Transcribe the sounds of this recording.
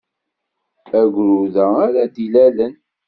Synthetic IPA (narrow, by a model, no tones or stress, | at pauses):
æɡʷɾuðæaɾæd̪ilælən